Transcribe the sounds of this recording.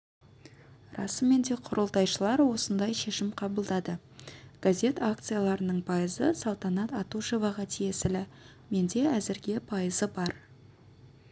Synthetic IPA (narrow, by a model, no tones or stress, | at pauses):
rɑsəme̞nd̪e̞qʰʊɾəlˠt̪ɑjʃəlˠɑɾwo̞sənd̪ɑjʃe̞ʃɪmqʰɑbəlˠd̪ɑd̪ə | ɡ̥azʲe̞t̪ak̚t̪sɨjalˠɑɾənəɴpʰɑjəzəsɑlˠt̪ɑnɑt̪ɑt̪uʃovɑʁɑt̪ʰije̞sɪlɪ | me̞nd̪e̞æzɪɾɡʲe̞pʰɑjəzəbɑɾ